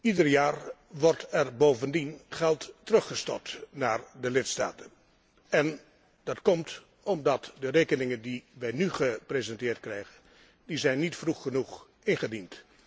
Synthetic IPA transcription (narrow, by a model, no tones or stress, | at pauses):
idərjaːɹʋɔɹtɛrboːvəndinχɛlˠtːərɵχəstɔ̰ɹtnaːɹdəlɪtsta̰ːtən | ɛn | d̥ɑtkɔmt | ɔmdɑtdəreːkənɪŋəndiʋɛjnyχəprezɛntɪːɹt̚krɛjχən | dizɛjnːitfruχːənuχ | ɪnχədint